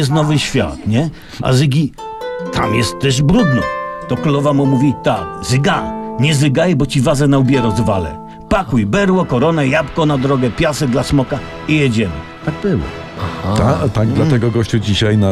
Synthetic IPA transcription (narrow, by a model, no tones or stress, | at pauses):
ɛs̬t̪nɔvɘɕfʲja̰t̪ɲɛ | ʔa̰zɘɡʲi | t̪ʰa̰mjɛst̪ːɛʐbɾud̪nɔ̰t̪ɔkulɔvamɔmuvʲit̪akzɨɡaɲɛzɘɡajbɔt͡ɕivazɛnaubʲjɛɾɔzvalɛ̰ | pakujbɛɾwɔkɔɾɔnɛjapkɔnad̪ɾɔɡɛpʲjasɛd̪lasmɔka | ijɛd͡ʑɛmɛ̰ | t̪aɡ̚bɘwɔ̰ | ahat̪at̪aɡ̚d̪laɛɡɔɡɔɕt͡ɕud͡ʑiɕajna